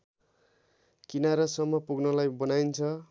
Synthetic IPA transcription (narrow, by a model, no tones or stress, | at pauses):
kinaɾʌsʌmːʌpuɡnʌlajbʌnajnt͡sʰʌ